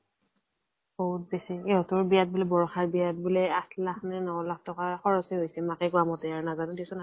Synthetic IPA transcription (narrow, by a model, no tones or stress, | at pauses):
bɔɦut̚besieɦɔtʊɹbijat̚bulɛbɔɹɔxabijat̚bulɛatʰlakʰnɛnɔɔlak̚ʰtɔkaxɔɹɔseɦojsɛmakɛɡɹamɔteaɹnazanʊdisɔna